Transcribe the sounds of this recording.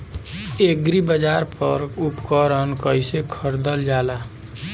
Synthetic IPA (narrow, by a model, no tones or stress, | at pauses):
eɡɾibəd͡ʒaɾpəɾupkəɾənkəjsekʰəɾd̪əld͡ʒaːla